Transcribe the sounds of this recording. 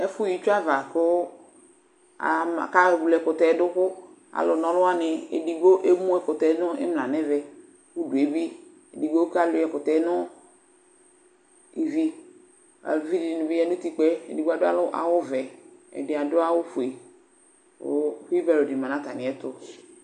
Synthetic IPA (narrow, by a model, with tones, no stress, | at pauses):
ɛ˦fʊ˦ji˦t͡ʃu˦a˦va˨kʊ˦ | a̰˨ka˦ɛ˨bu˨lɛ˨kʊ˨t̪ɛ˨˦dʊ˦kʊ˦ | a̰˨lʊ˨nɔ̃˨lʊ˦a˦nɪ˨ḛ˨di˨ɡo˦ʔe˦mũ˦ɛ˨kʊ˨t̪ɛ˨˦nʊ˦ɪ̰˦mla˨nɛ˦vɛ˨ | ku˦dʊ˨e˨˦bi˦ | e˨di˨ɡo˦ka˦lʊ˨˦ɛ˨kʊ˨t̪ɛ˦nʊ˦ | i˨vi˦ | a̰˨lvi˦dɪ˨nʊ̃˨bi˦ɛ˦nʊ˦t̪i˦k͡pɛ˦ḛ˨di˨ɡo˦a˨dʊ˦a̰˦lʊ˦ʔa̰˨wʊ˦vɛ˨ɛ̰˨dɪ˨a˨dʊ˦a˦wʊ˦fu˨i˨ | ʊ̰˦fvɛ˨lo˨di˨mã˨nã˨˦t̪a˨nɪ̃˨ɛ˦t̪ʊ˦